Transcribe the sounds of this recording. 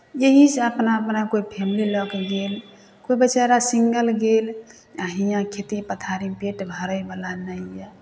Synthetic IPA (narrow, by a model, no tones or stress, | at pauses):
jeɦisəpnaəpnakoipʰemililəkɡel | koibət͡ʃaɾasiŋɡəlɡel | aɦijãkʰet̪ipət̪ʰaɾipeʈbʱəɾəjbəlanəjja